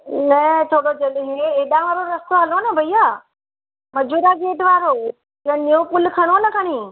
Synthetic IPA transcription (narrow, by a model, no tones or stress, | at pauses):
nɐt̪ʰoːɽod͡ʑɐlɦeeːɗãʋaːɾoɾɐst̪oɦɐlonɐbʱɐiaː | mɐd͡ʑʱuːɾaɡeːʈʋaːɾo | ɐ̃niopʊlkʰɐɽ̃onɐkʰɐɽ̃ĩː